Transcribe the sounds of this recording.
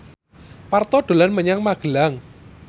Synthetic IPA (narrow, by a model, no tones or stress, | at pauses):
part̪ɔɖ̥o̤lanməɲaŋmaɡ̥əlaŋ